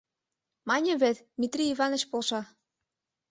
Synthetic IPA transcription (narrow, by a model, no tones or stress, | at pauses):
mɑnʲĕβet̪d̪mʲit̪rʲiivɑnə̆t͡ɕpolʃɑ